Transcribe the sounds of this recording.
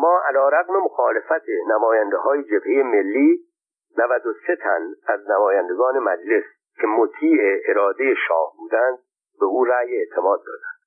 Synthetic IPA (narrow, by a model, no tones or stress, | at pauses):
mɒːʔælɒːɾæɣmemoxɒːle̞fæt̪ʰenæmɒːjænd̪e̞hɒːje̞d͡ʒebheje̞me̞lːiː | nævæd̪ose̞t̪ʰæ̰næznæmɒːjænd̪e̞ɡɒːne̞mæd͡ʒle̞s | cʰe̞mot̪ʰiːʔeʔeɾɒːd̪e̞je̞ʃɒ̰ːhbuːd̪ænd̪̚ | be̞uːɾæːjeeʔt̪ʰe̞mɒːd̪̚ːɒ̰ːd̪ænd̪̥